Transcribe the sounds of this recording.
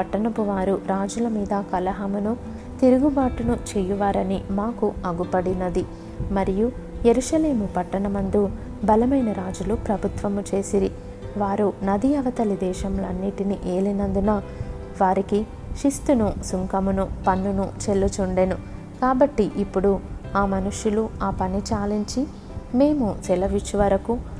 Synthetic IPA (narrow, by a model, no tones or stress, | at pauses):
ɐʈːɐɳɐpuʋaːɾuɾaːd͡ʒulɐmiːd̪ɐkɐlɐɦɐmunu | t̪iɾuɡubaːʈunut͡ʃɛjuʋaːɾɐnimaːkuɐɡupɐɽinɐd̪i | mɐɾijuje̞ɾuʃɐle̞ːmupɐʈːɐɳɐmɐnd̪u | bɐlɐmɐjnɐɾaːd͡ʒulupɾɐbʱut̪ʋɐmut͡ʃe̞ːsiɾi | ʋaːɾunɐd̪iɐʋɐt̪ɐlid̪ɛːʃɐmlɐnːiʈiniʔeːlinɐnd̪unɐ | ʋaːɾiki | ʃist̪unusuŋkɐmunupɐnːunut͡ʃe̞lːut͡ʃuɳɖenu | kaːbɐʈːiʔipːuɽuaːmɐnuʃjuluaːpɐnit͡ʃaːliɲt͡ʃi | me̞ːmut͡ʃɛlɐʋiʃʋɐɾɐku